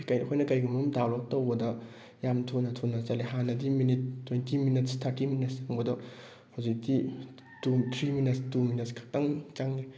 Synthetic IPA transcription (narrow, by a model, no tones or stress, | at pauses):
kajkʰojnɐkɐjɡumumdawlok̚towbɐdɐ | jamtʰonɐtʰonːɐzaleɦanɐdiminit̚ːwejntʰiminit̚stʰatiminɐsaŋbɐdɔ | hawzik̚di | tut̪ʰɾiminestuminetskʰḁk̚taŋt͡ʃaŋni